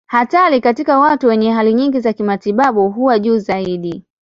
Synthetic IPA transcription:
hatalikatikawatuwɛɲɛɦaliɲiŋɡizakimatiɓaɓuɦuwaʄuːzaiɗi

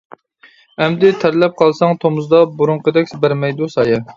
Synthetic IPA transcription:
ɛmd̪ɪt̪ʰæɾlɛp̚qʰɑlˠsɑŋt̪ʰomʊzd̪ɑbuɾuɴqəd̪ɛkʲsbæɾmɛjd̪usɑjɛ

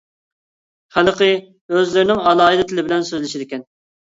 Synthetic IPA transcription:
χæləqʰɨ | øzlɪɾɪnɪŋɑlˠɑːid̪ɪt̪ʰɪlɪbɪlɛnsøzlɪʃid̪ɪkʲɛn

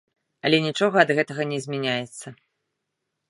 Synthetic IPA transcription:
ɐlʲɛnʲit͡ʂɔɣɐɐd̪ɣɛt̪ɐɣɐnʲɛzʲmʲɛnʲajɛt̪sːɐ

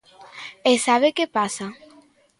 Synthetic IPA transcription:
esaβekepasa

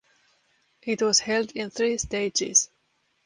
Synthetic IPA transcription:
ʔɪtwʌz̥hɛldɪ̃nθɹisteɪd͡ʒɪz̥

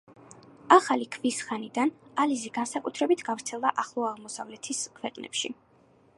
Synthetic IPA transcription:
aχalikʰvisχanid̪analiziɡansakʼut̪ʰɾɛbit̪ʰɡ̥avɾt̪sʰɛlˠd̪aʔaχlˠɔaʁmɔsavlɛt̪ʰiskʰwɛqʼnɛ̰pʃḭ

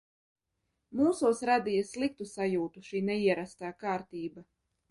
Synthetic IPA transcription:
muːsuɔsɾad̪ijaslˠik̚t̪usajuːt̪uʃiːnɛiɛɾast̪aːkaːɾt̪iːba

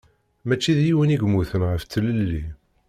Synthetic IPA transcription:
mæt͡ʃːiðjiwəniɡmuθənʁəft͡sːələlːi

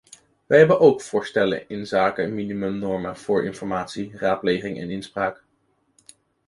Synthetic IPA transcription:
ʋɛjɦɛbənʔowkfʊːɹstɛlə̰nɪnzaːkəminimɵmnɔɹməv̥ʊːɹɪ̰nfɔɹmaːtsiraːt̚plejχɪŋʔɛ̰nɪnspraːk

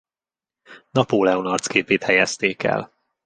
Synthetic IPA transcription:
nɒpoːlɛonɒrt̪skeːpeːt̪hɛjɛst̪eːkɛ̰l

